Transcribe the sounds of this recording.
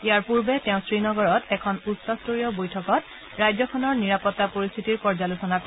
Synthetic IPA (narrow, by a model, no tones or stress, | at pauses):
iaɹpuɹbɛtɛʊ̃sɹinɔɡɔɹɔtɛkʰɔnutsɔstoɹijɔbojtʰɔkɔt | ɹajzɔkʰɔnɔɹniɹapɔtːapoɹist̪ʰitiɹpɔɹzalusɔnak